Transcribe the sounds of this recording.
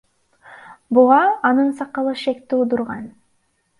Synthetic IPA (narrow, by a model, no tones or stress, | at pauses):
buʁɑːnɯnsɑqːɑlˠɯʃe̞kt̪iud̪uɾʁɑn